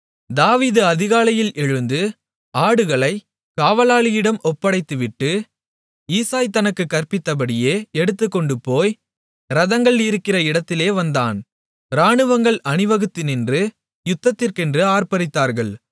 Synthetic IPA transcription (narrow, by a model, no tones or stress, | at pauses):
d̪aːʋiːðɯɐðɪɣaːlɐjɪlʔɛɻɯnd̪ɯ | aːɽɯɣɐɭɐɪ | kaːʋɐlaːɭɪjɪɽɐmʔɔpːɐɽɐɪt̪ːɯʋɪʈːɯ | iːsaːjt̪ːɐnɐkːɯkːɐrpɪt̪ːɐp̬ɐɽɪjeːɛɽɯt̪̬ːɯkːɔɳɖɯpːoːj | ɾɐðɐŋɡɐɭniɾɯkːɪrɐɪɽɐt̪ːɪleːʋɐnd̪aːn | ɾaːɳɯʋɐŋɡɐɭɐnɪʋɐɣɯt̪ːɪnɛndrɯ | jʊt̪ːɐt̪ːɪrkɛndrɯaːɾpɐɾɪt̪ːaːɾɣɐɭ